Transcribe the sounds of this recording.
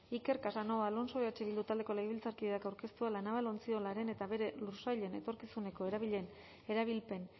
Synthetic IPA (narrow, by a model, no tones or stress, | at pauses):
ike̞ɾkasano̞βalo̞nso̞βeat͡ʃeβild̪ut̪ald̪e̞ko̞lajβ̞ilt͡saɾkiðeakawɾke̞st̪ualanaβalo̞nt͡sio̞laɾe̞ne̞t̪aβe̞ɾe̞lusajʎe̞ne̞t̪o̞ɾkisune̞ko̞e̞ɾaβiʎe̞n | e̞ɾaβ̞ilpe̞n